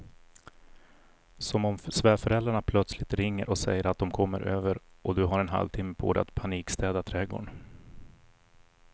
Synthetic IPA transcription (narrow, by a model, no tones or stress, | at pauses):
sɔmɔmsvɛːfœɾɛld̪ɾaɳapʰlœt̪slɪt̪ɾɪŋːə̰ɾʔɔsɛjːəɾat̪̚d̪ɔmkʰɔmːə̰ɾʔøːvəɾʔɔd̪ɵɦaɾɛnɦa̰lvt̪ʰɪmːəpʰo̰ːd̪ɛ̰a̰t̪pʰaniːkst̪ɛːd̪at̪ʰɾɛɡo̰ːɳ